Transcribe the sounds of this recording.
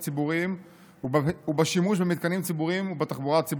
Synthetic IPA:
t͡sibuʁim | uubeʃimuʃ̬bemit̪̚kanimt͡sibuʁimubet̪aχbuʁat͡si

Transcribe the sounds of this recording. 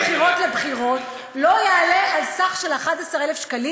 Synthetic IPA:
χiʁo̞tlebχiʁo̞t | lo̞jeːlealsaχʃelaχadasaʁelefʃkali

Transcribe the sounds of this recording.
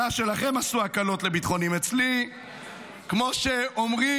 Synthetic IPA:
aʃe̞laχe̞masuakalo̞tle̞bit̪χo̞nimet͡sli | kmo̞ʃeomʁi

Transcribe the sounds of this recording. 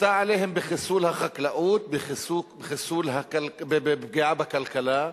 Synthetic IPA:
t̪aʕaleːhɪmbɪxɪsuːlhaxaklaʔuːt̪̚bɪxɪsubexɪsuːlɦakalbbebɡeʕabakalkala

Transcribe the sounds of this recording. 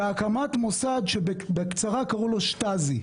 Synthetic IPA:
eakamat̪mosad̪ʃebekt͡saʁakaʁulo̞ʃtazi

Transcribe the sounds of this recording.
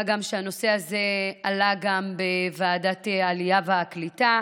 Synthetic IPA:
ɡamʃeano̞se̞azealaɡambevaːdatealijaveaklita

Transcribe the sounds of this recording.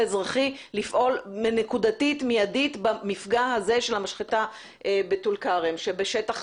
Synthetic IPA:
ezʁaχi | lifʔo̞lmenekudatitmijaditbamifɡahaze̞ʃe̞lamaʃχita | ʔebetulkaʁemʃebeʃetaχ

